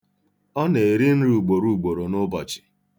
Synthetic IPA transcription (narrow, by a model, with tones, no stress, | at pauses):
ɔ˦ne˨e˨ɾi˦n̩˦ɾu˨ɡ͡bo˨ɾu˦˨ɡ͡bo˨ɾo˨nʊ˦bɔ˨t͡ʃɪ̥˨